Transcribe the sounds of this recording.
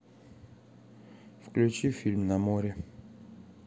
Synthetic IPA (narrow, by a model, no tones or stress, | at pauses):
fklʲʉt͡ɕifʲilʲmnɐmoɾʲɪ